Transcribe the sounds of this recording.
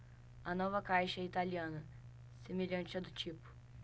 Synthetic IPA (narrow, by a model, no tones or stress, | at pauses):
ɐnɔvɐkajʃɐɛit̪aliɐ̃nɐ | semeʎɐ̃t͡ʃɐd̪ʊt͡ʃipʊ̥